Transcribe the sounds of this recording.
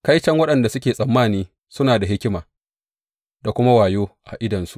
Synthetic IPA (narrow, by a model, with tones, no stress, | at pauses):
ka˦jt͡ʃɐ˦ŋwɐ˦ɗɐ˨nda˨sʊ˦kʲeː˨sʼɐ˨mːaː˦˨niː˦ | sʊ˦naː˨da˨ɦɪ˦kʲɪ˦maː˨ | da˨kʷʊ˦ma˦waː˨joː˦ʔa̰˨ʔɪ˦dɐ˨nsu̥˦ʔ